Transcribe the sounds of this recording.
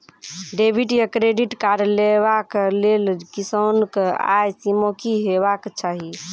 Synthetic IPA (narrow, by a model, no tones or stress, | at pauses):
ɖebʱiʈjəkɾeɖiʈkaɾlebaklelkisɔnka̰jsimokiɦebakt͡ʃaɦi